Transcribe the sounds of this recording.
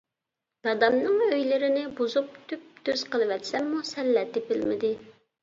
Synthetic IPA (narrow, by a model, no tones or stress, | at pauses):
d̪̥ɑd̪ɑmnɨŋøjlɪɾɪnɪbozup̚t̪ʰyp̚d̪øz̥qʰəlˠɨwɛt̪sɛmːusɛlːɛt̪ɪbɪlmɪd̪ɪ